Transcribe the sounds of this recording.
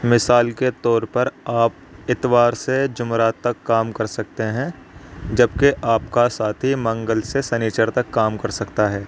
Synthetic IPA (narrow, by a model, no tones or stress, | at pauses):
mɪsaːlket̪ɔːɾpɐɾaːp̚ | ɪt̪ʋaːɾsed͡ʒʊmɾat̪ːɐkːaːmkɐɾsɐk̚t̪eɦɛ̃ːd͡ʒɐbkeʔaːpkasaːt̪ʰɦimɐ̃ŋɡəlsesɐniːt͡ʃəɾt̪ɐkːaːmkɐɾsɐkt̪aɦɛː